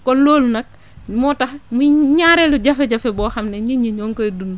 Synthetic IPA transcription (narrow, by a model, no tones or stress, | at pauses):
kɔloːlnɐk̚ | mɔtɐhmuɲaɾɛluɟɐfɛɟɐfɛbɔːxɐmnɛɲiɲiɲɔŋkoedunː